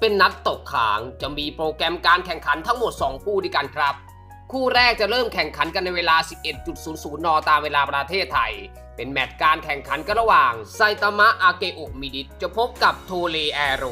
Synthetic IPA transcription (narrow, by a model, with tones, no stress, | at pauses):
pe˧nːa˦˥t̪ːo˨˩kʰːa̰ː˩˦ŋt͡ɕa˨˩miː˧pɾoː˧kɾɛ˧mkaː˧nkʰɛ˨˩ŋkʰa˩˦nt̪ʰa˦˥ŋmo˨˩t̪̚sɔː˩˦ŋkʰuː˥˩doː˥˩jka˧nkʰɾa˦˥p̚ | kʰuː˥˩ɾɛː˥˩k̚t͡ɕa˨˩ɾɤː˥˩mkʰɛ˨˩ŋkʰa˩˦nka˧nːa˧jweː˧laː˧si˨˩p̚ʔe˨˩t̪̚t͡ɕu˨˩t̪̚suː˩˦nsuː˩˦nːɔː˧t̪aː˧mweː˧laː˧pɾa˧t̪ʰeː˥˩t̪ʰːa˧j | pe˧nmɛ˨˩t̪̚kaː˧nkʰɛ˨˩ŋkʰa˨˩˦nka˧nɾa˧waː˨˩ŋsa˧jt̪a˧ma˦˥ʔaː˧keː˧ʔo˨˩k̚miː˧di˦˥t̪̚t͡ɕa˨˩pʰo˦˥p̚ka˨˩p̚t̪ʰoː˧leː˧ʔɛː˧ɾo˧˩